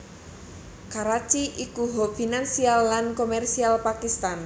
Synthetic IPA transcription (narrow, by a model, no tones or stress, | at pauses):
kaɾat͡ʃiʔikuɦofinansialːankomɛrsialpakist̪an